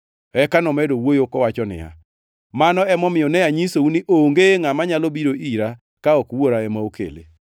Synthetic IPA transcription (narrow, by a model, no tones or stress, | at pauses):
ɛkanɔmɛdowojokɔwat͡ʃɔnɪ̰ja̰ | manɔɛmɔmɪjɔnɛjaɲisouniʔoŋɡeŋamaɲalɔbiɾoiɾa | kaɔkwoɾaɛmaokḛlḛ